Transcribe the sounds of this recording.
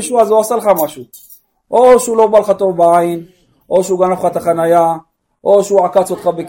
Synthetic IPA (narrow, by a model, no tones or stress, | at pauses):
ʃuazuasalχamaʃu | ʔoʃeulobalχat̪ovbeʕain | ʔoʃuɡamlofχat̪aχanaja | ʔoʃeuʕakat͡sot̪χabek